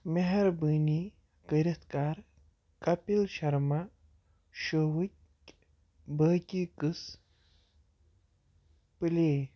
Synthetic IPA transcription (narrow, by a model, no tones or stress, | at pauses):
meɦɛɾbɨːni | kəɾit̪kaːɾ | kɐpilɕɐɾma | ʃowut | bəːkʲikɨs | pɨleː